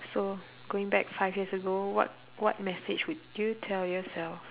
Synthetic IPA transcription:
so | ɡ̥oɪ̃ŋbɛkfaɪvjiəsəɡowɔ̰t̚ | wɔt̚mɛsɪd͡ʒwudjutʰɛljɔsɛlf

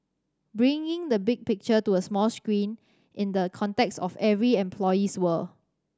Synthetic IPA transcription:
bɹĩŋɪ̃ŋdəbɪɡ̚pɪk̚t͡ʃətuəsmɔlskɹĩn | ʔɪ̃ndəkʰɔ̃ntɛksɔfɛvɹiɛ̃mpʰlɔjiswəl

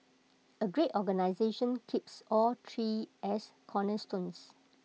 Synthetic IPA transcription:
əɡɹetɔɡənaɪzeʃə̃nkʰipsɔltʰɹiɛskʰɔnəstõns

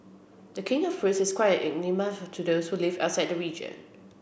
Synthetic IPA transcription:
dəkʰɪ̃ŋɔfpɹusɪskʰwaɪə̃nʔɛ̰ɡ̚niməvtʰudoʊshulɪva̰ʊtsaɪjd̚dəɹiːd͡ʒə̰̃n

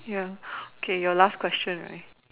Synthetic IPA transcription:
jaokʰejɔlas̚kʰwɛst͡ʃə̃nɹa̰

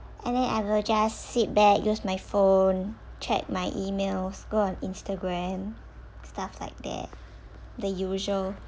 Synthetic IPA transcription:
ʔɛ̃ndɛ̃na̰ɪwild͡ʒassit̚bɛkjʔusmajfõnt͡ʃʰɛ̰k̚majʔimelsɡoɔ̃nĩnstəɡɹɛ̃m | stafla̰ɪk̚d̪ɛ̰t̚ | dəjuʒəl

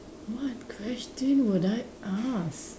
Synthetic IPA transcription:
wɔtkʰwɛstə̃nwʊdaɪ | ʔas

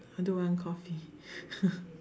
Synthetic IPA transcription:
adowãnkʰɔfi

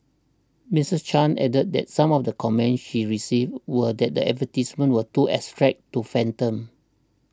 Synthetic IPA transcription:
misəst͡ʃãnɛ̰dət̚dɛ̰t̚sãmɔfdəkʰɔmɛ̃nsʃiɹisivwədɛt̚dəɛ̰tvətismə̃nwətuʔɛ̰stɹɛk̚tːufɛ̃ntə̃m

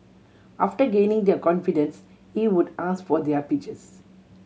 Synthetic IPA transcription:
aːfʈəɡẽːnɪ̃ŋd̪əkɔ̃nfiɖə̃ns | hiːʋʊɖaːskfɔːɾd̪eəpit͡ʃes

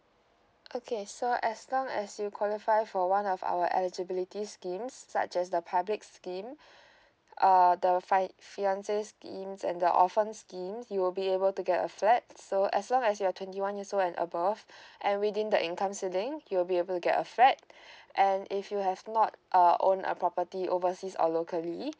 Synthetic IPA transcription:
ʔokʰesoʔɛslɔ̃ŋɛ̰sjukʰwɔlifaɪfɔwãnɔfa̰wəʔɛ̰lid͡ʒəbilitiskĩmsːa̰t͡ʃɛsdəpʰablɪkskĩm | ʔʌd̪əfafinãnseskĩmsɛ̰̃ndəʔɔ̰fə̃nskĩmsjuwɪlbiebəltuɡɛtə̰flɛt̚soʔɛ̰slɔ̃ŋɛs̬juatʰwɛ̃ntiwãnjisoɛ̃nə̰bəvʔɛ̃nwidĩndəʔĩnkãmsilɪ̃ŋjuwilbiebəltuɡɛ̰tə̰flɛt̚ʔɛ̃nɪfjuɦɛvnɔtʔəʔõ̰nə̰pʰɹɔpətiʔovəsisɔ̰lokəli

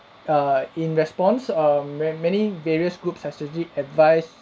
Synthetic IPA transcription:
ĩnɹɛspɔ̃nsamɛmɛniveɹiəsɡɹupshɛsɛd͡ʒliɛtvaɪs

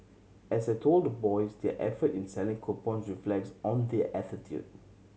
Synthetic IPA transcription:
ɛsdɛtʰoldəbɔjsdɛʔɛ̰fətĩnsɛlĩŋkʰopɔ̃nsɹiflɛk̚sɔ̃ndɛʔɛtitʰjṵd̚

